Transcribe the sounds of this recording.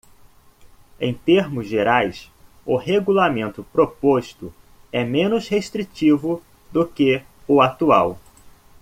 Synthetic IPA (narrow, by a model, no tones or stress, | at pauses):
ḛ̃j̃t̪eɾmʊzʒeɾajs | ʊheɡulamẽnt̪ʊpɾopost̪ʊ | ɛmẽnʊsheʃt̪ɾit͡ʃivʊ | d̪ʊkɪ | ʊat̪uaw